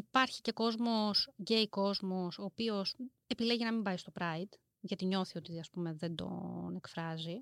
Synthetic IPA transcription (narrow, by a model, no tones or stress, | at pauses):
ipɐɾçi̥ce̞ko̞zmo̞sʝejko̞zmo̞so̞ːpio̞s | e̞pileʝiɐnɐmimbɐist̪o̞pɾɐid̪̥ | ʝɐt̪iɲo̞θio̞t̪iɐspume̞ðe̞nd̪o̞̰ne̞kfɾɐzi